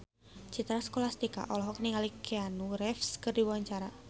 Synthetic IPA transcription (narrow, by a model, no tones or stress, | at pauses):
t͡ʃit̪ɾaskolast̪ika̰ʔɔlɔɦɔk̚niŋalikʰianuɾɛfskɨrdiwawaɲt͡ʃaɾa